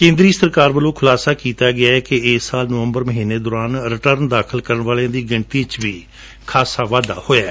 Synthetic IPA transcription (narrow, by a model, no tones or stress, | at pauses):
kẽːnd̪ɾiːsəɾkaːɾbəlõːkʰʊlaːsaːkiːt̪aːɡɪaːɛːkɪɪsaːlnəʋə̃mbəɾməɦiːneːd̪ɔːɾaːnɾɪʈəɾnd̪aːkʰəlkəɾəɳʋaːljãːd̪iːɡɪɳt̪iːt͡ʃʋiː | kʰaːsaːʋaːd̪a̰ːhoːjaː